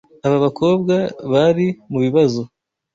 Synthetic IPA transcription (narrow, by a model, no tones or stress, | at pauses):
aβaβako̞ːbɡaβaɾimuβiβazo̞